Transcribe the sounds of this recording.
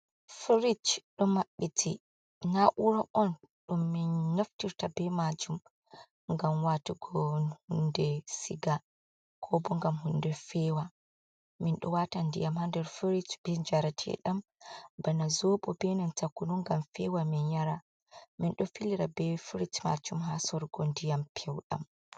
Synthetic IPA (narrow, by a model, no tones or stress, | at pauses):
fɾit͡ʃɗɔmaɓːitʰi | naʔuɾaʔɔn | ɗumːinːaftiɾtabɛmad͡ʒum | ŋɡamwatiɡɔnhundɛsḭɡa | kʰɔbɔŋɡamɦundɛfɛwa | minɗɔ̰watandijamhandɛɾfiɾitb̥ɛd͡ʒaɾatʰɛ̰ɗambanazɔɓɔbɛnantakːunuŋɡamfɛwaminjaɾa | minɗɔfiliɾabɛfiɾitma̰d͡ʒumɦasɔɾɡɔndijampʰɛwɗa̰m